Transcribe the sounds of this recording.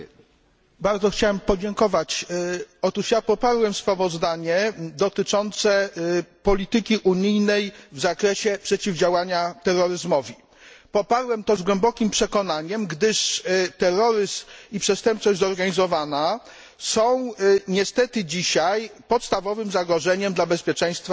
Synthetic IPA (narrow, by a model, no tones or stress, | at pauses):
baɾd̪zɔxt͡ɕawɛmpɔd͡ʑɛŋkɔvat͡ɕɔt̪uʂjapɔpaɾwɛmspɾavɔzd̪aɲɛd̪ɔt̪ɘt͡ʂɔnt̪sɛpɔlʲit̪ɘkʲiʔuɲijnɛjvzakɾɛɕɛpʂɛt͡ɕivd͡ʑawaɲat̪ɛɾːɔɾɘzmɔvʲi | pɔpaɾwɛmt̪ɔzɡwɛmbɔkʲimpʂɛkɔnaɲɛmɡd̪ɘʂt̪ɛrːɔɾɘsipʂɛst̪ɛmp̚t͡ʂɔʑd͡ʑzɔɾɡaɲizɔvana | sɔ̃w̃ɲɛst̪ɛt̪ɘd͡ʑiɕajpɔt̪st̪avɔvɘmzaɡɾɔʐɛɲɛmd̪labɛspʲjɛt͡ʂɛ̃j̃st̪fa